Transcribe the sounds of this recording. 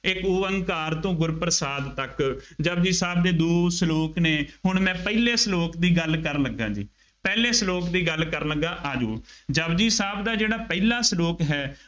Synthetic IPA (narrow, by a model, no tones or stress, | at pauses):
ɪkʊəŋɡkaːɾt̪õːɡʊɾpəɾəsaːd̪t̪əkd͡ʒəbd͡ʒiːsaːb̚d̪eːd̪oːsəloːkneːɦʊɳmɛ̃ːpəiːleːsəloːkd̪iːɡəlkəɾləɡːãːd͡ʒḭː | pɛːleːsəloːkd̪iːɡəlkəɾləɡːãːʔaːd͡ʒuːd͡ʒəbd͡ʒiːsaːbd̪aːd͡ʒeːɽaːpɛiːlaːsəloːkɦɛː